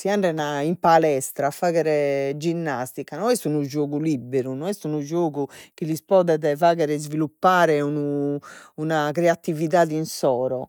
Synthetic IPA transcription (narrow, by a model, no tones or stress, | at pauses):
siaɳɖɛnaimpalɛst̪ɾafaːɣɛɾɛd͡ʒinːast̪ikanɔɛst̪unud͡ʒoːɣulibeɾunɔɛst̪unud͡ʒoːɣukilispɔːðɛðɛvaːɣɛɾɛzvilupːaːɾɛunu | unakɾɛat̪iviðaːðinsɔːɾɔ